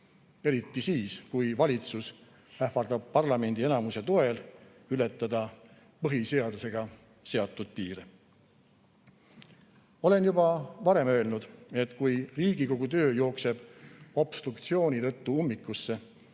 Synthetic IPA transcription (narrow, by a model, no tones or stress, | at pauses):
e̞ɾit̪ːisiːskujvɑlʲit̪sus | æhfɑrd̪ɑb̥̚pɑrlɑme̞nʲd̪̥ie̞nɑmuset̪o̞e̞l | yle̞t̪ˑːɑd̪̥ɑ | pɤɦise̞ɑd̪̥use̞ɡ̥ɑ | se̞ɑt̪ːˑud̪̥̚piːɾe | o̞le̞njubɑvɑɾe̞mø̞e̞lnud̪̥e̞t̪kujriːɡiko̞ɡ̥ut̪ø̞ːjo̞ːkse̞b̥o̞b̥st̪ɾukt̪sio̞ːnit̪ɤ̞t̪ːuumːikːˑusːe̞